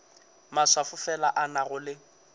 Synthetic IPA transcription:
maswafʊfɛlaʔanaɣʊlɪ

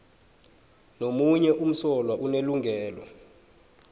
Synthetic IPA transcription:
nomuɲɛʔum̩sɔlwaʔuneluŋʱɛːlɔ̰

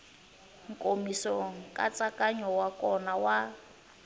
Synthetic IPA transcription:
ŋ̩kʼomisɔŋŋ̩kʼat͡sʼakʼaɲɔwakɔnawa

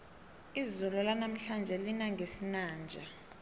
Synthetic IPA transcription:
izulɔlanam̩ɬand͡ʒʱɛlinaŋɡʱesinaːnd͡ʒʱa

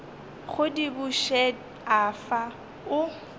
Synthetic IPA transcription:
χʊdibʊʃɛ | afa | ʊ

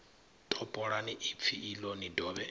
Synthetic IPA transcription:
tʰʼɔpʼɔɺaniʔip̪fʰiʔːlɔnidɔːβɛ

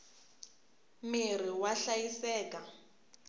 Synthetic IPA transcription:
mɪr̤iwaɬajisɛːkʼa

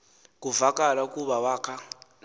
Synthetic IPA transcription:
kʼuvakʼalakʼuβawaːkʰa

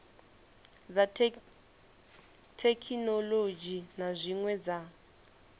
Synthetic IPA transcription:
za | tʰekʰinɔlod͡ʒinazʷiŋwɛd͡za

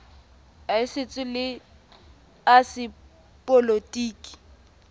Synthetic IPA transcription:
aɪsɪt͡sʼɪlɪ | asɪ | pʼolotʼiːkʼi̥

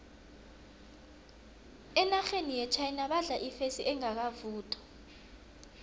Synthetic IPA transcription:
ɛnaxenijɛt͡ʃʰajinaɓaɮaʔifesiʔɛŋak̬avuːtʰʼɔ̥

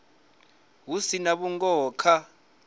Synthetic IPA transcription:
wusinaɓuŋɡɔːkʰa

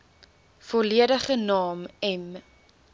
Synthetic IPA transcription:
fɔliədəχənɑːmɛm

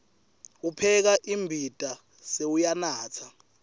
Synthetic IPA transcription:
upʰɛk̬aʔimbʱid̥ʱʼa | seujanaːt͡sʰa

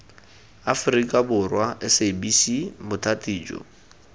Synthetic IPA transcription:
afʊrikʼabʊrwaʔɪsebisimʊtʰatʼiːd͡ʒɔ̰

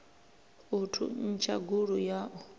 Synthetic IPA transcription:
utʰṵn̩t͡ʃʰaɡuɺujaʔɔ

